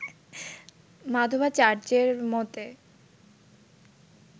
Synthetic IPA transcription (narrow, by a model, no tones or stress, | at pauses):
mad̪ʱobat͡ɕaɾd͡ʑeɾmot̪e